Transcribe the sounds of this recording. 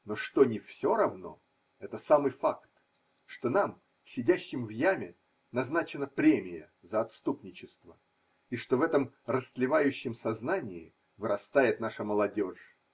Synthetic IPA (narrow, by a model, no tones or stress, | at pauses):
no̞ʂt̪o̞nʲɪfsʲo̞ɾɐvno̞̰ | ɛt̪əsamɨjfakt̪ | ʂt̪o̞nam | sʲɪdʲæɕːɪmvjæmʲɪ | nɐznat͡ɕɪnəpɾʲemʲɪjə̰ | zəɐt̪st̪upnʲɪt͡ɕɪst̪və | iʂt̪o̞vɛt̪əmrəst̪lʲɪvajʉɕːɪmsɐznanʲɪɪ̰ | vɨɾɐst̪ajɪt̪naʂəməlˠɐdʲo̞ʂ